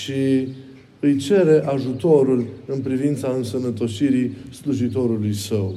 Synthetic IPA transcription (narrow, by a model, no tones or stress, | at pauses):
ʃi | ɨjt͡ʃe̞ɾe̞ʔaʒut̪o̞ɾulɨnpɾivint̪saɨnsənət̪o̞ʃiɾisluʒit̪o̞ɾulujsəw